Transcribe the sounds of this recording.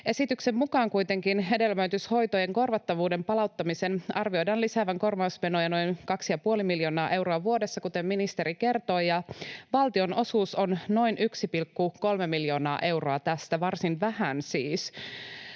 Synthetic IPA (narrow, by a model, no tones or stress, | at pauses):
ʔe̞sit̪ykse̞mmukɑːŋkujt̪e̞ŋkinɦe̞de̞lmæyt̪ysho̞jt̪oje̞ŋko̞rʋɑt̪ːɑʋuːde̞mpɑlɑwt̪ːɑmisenɑrʋio̞jdɑnlisæʋæŋko̞rʋɑusme̞nojɑno̞jnkɑksijɑpuo̞limiljo̞ːnɑːʔe̞wɾoɑʋuodesːɑkut̪e̞mminist̪e̞ɾike̞rt̪o̞ːjɑʋɑlt̪io̞no̞suːso̞nno̞jnyksipilkːuko̞lmemiljo̞ːnɑːʔe̞wro̞ɑt̪æst̪æʋɑrsinʋæhænsiːs